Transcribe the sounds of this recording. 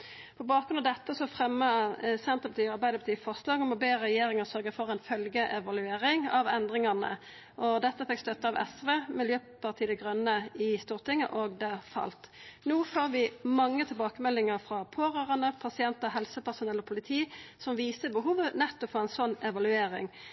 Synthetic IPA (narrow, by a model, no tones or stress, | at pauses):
pʰɔbɑːkɡɾʉnɑd̪ɛt̪ːəsɔfʁɛmːəsɛnt̪əpʰɑt̪iːɑɾbæɪd̪əpʰɑt̪ʰiːfɔʁslɑːɡɔmɔbeːʁɛjeːɾɪŋəsœɾɡəfɔɾɛɪnfœlɡəʔɛʋɑlʉeːɾɪŋɑʋɛnd̪ʁɪŋɑnə̰ | ʔɔd̪ɛt̪ːəfɛkst̪œt̪ːəɑʋɛ̰sʋeːmɪljøːpʰɑʁt̪ʰiːd̪ɛɡʁœnːəɪst̪uːʁt̪ɪŋːə̰ʔoɡd̪ɛfɑ̰lt̪nuːfoːɾʋɪmɑŋːət̪ʰɪlbɑːkəmɛlːɪŋəʁfɾɑpʰoːʁøːʁɑnəpʰɑsɪɛnt̪əʁɦɛlsəpæʁsʊnɛlːɔpʰʊlɪt̪ʰiːsɔmʋiːsəbəɦuːʋənɛt̪ːɔfoːɛnsɔnːɛʋɑlʉeːɾɪ̰ŋ